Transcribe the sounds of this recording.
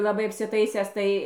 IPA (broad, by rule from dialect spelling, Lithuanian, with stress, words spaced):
lˠɐˈbɐɪ ɐpʲsʲɪˈtɐɪsʲæːs ˈtɐɪ